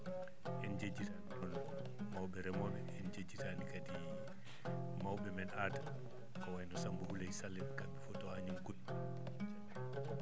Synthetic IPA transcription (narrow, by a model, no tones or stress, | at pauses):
ʔɛnd͡ʒed͡ʒːitaniɔn | mawɓɛɾɛmɔmɛɛnd͡ʒed͡ʒːitanikadi | mawɓɛmɛnaːta | kɔwajnɔsambuhulajsalːɛmkabifɔtɔhaɲumkut